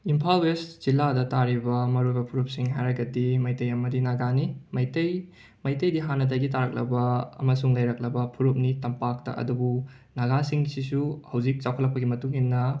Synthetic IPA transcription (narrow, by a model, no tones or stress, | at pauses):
impʰalwesz̥iladɐtaɾibɐmɐɾojbɐpʰuɾup̚siŋɦajɾɐɡɐdimɐjtɐjɐmɐdinaɡanimɐjtɐj | mɐjtɐjdiɦanɐdaɡitaɾɐk̚lɐ̰bɐɐ̰mɐsuŋlɐjɾɐk̚lɐbɐpʰuɾup̚nitɐmpak̚tɐ̰ʔɐ̰dubu | naɡasiŋsisuhɐwd͡ʒik̚t͡ʃawkʰɐtlɐk̚pɐɡimɐtuŋhinːɐ